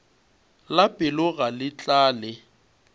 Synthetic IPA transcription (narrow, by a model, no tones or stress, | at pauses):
lapʼɪlʊɣalɪt͡ɬʼaːlɪ